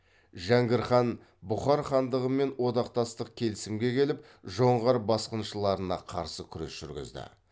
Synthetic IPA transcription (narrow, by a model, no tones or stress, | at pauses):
ʒæŋɡʲɪɾχɑn | bʊχɑɾχɑnd̪əʁəme̞nwo̞d̪ɑqt̪ɑst̪əq̚kʲʰe̞lɪsɪmɡʲe̞kʲʰe̞lɪp̚ | ʒo̞ɴʁɑɾbɑsqənʃəlˠɑɾənɑ̰qʰɑ̰ɾsəkʲʰʏɾe̞̰sʒ̥ʏ̰ɾɡʲɪ̰zd̪ɪ̰